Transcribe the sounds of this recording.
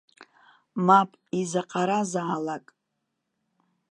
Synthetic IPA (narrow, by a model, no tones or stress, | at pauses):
mapʼizaqʼaɾazaːlakʼ